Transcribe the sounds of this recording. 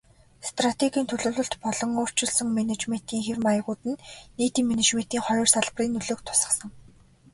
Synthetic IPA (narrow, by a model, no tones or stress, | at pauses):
st̪rat̪ʰeɣʲiːnt̪ʰɵɮɵ̆ːɮʊ̆ɬt̪pɔɮɞ̆ŋʊːr̥t͡ɕɪ̆ɮsə̆ŋmænet͡ɕmen̥t̪iːŋxermajə̆ʁʊːt̪ɘ̆nːeːt̪iːŋmenet͡ɕmen̥t̪iːŋχɔɾʲɞrsaɮp̆riːnːɵɮoːk̚t̪ʰʊ̥sə̆sə̆ŋ